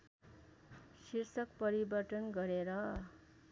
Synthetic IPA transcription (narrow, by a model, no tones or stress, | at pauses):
sirsʌkpʌɾibʌrʈʌnɡʌɾeɾʌ